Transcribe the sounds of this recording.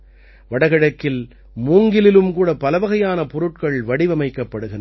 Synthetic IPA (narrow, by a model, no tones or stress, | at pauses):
ʋɐɽɐɣɐɽɐkːɪl | muːŋɡɪlɪlɯmkuːɽɐpɐlɐʋɐɣɐjaːnɐpɔɾɯʈ̚kɐɭʋɐɽɪʋɐmɐɪkːɐpːɐɽɯɣɪn